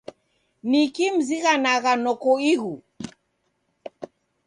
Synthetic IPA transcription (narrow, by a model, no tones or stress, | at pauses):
nikim̩ziɣanaɣanɔkɔiɣu